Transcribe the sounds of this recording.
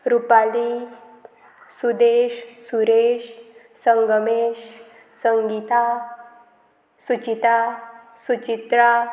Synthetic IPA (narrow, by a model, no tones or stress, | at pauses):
ɾupali | sud̪eɕsuɾeɕ | səŋɡəmeɕ | səŋɡit̪a | sut͡ɕit̪a | sut͡ɕit̪ɾa